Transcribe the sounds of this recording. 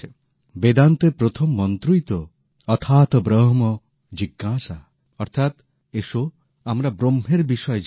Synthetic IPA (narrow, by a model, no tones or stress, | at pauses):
bed̪ant̪epɾot̪ʰɔmːɔnt̪ɾujt̪ɔː | t̪ʰaːt̪ɔbɾɔɦɔmɔ | d͡ʒiɡːasa | ɔɾt̪ʰat̪ | eso | amɾabɾomɦeɾbisɔjɔd͡ʒ